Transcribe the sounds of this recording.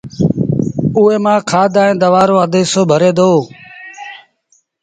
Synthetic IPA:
uːeːmãːkʰaːd̪aːẽːd̪əʋaːɾoːəd̪eːsoːbʱəɾeːd̪oː

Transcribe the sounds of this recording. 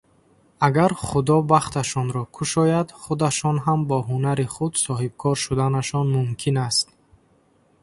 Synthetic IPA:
aɡaɾχud̪ɔbaχt̪ʰaʃɔnɾɔkʰuʃɔjad̪χud̪aʃɔnɦambɔɦunaɾiχud̪sɔɦib̚kʰɔɾʃud̪anaʃɔnmumkʰinast̪̚

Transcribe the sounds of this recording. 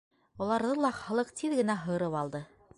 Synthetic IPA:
ŭlˠɑɾðɤlˠɑχɤ̆lˠɤqt̪ʰiðɡɘ̆næɦɤ̆ɾɤwɑlˠd̪ɤ

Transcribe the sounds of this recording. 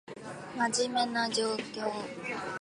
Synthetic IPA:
mad͡ʑimenad͡ʑokːo

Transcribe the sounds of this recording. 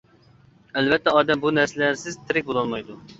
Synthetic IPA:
ɛlvɛt̪ʰːɛɑːd̪ɛmbunæɾsɪlæɾsɪzt̪ʰɪɾɪk̚ʲbolˠɑlˠmɑjd̪u

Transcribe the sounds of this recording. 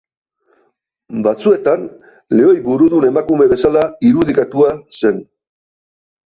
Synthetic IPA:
bat͡sue̞t̪an | le̞o̞jbuɾuðune̞makume̞βe̞salaiɾuð̞ikat̪uase̞n

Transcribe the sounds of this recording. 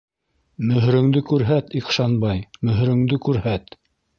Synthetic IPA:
mɵ̆ɦɾɵ̆ŋd̪ɘkʉɾɦæt̪iqʃɑnbɑjmɵ̆ɦɾɵ̆ŋd̪ɘkʉɾhæt̪

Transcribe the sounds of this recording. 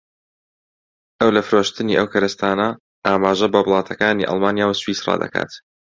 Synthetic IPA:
ʔɐwlɐfɾoːʃt̪ɨniːʔɐwkʰɐɾɨst̪aːnɐ | ʔaːmaːʒɐbɐblˠɑːt̪ʰɐkaːniʔɑ̰lˠmaːnjaːwswiːsrɑ̰ːd̪ɐ̰ka̰ːt̪

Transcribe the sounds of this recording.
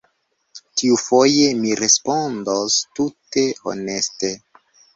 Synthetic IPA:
tiufo̞je̞miɾe̞spo̞ndostute̞o̰ne̞ste

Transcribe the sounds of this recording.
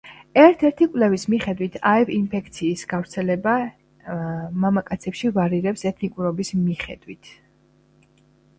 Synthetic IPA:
ɛɾt̪ʰɛɾt̪ʰikʼvlɛvismiχɛd̪wit̪ʰaɛvinpʰɛkʰt̪sʰiːsɡavɾt̪sʰɛlɛba | mamakʼat̪sʰɛpʃivaɾiɾɛpsɛt̪ʰnikʼuɾɔbismiχɛ̰d̪wit̪ʰ

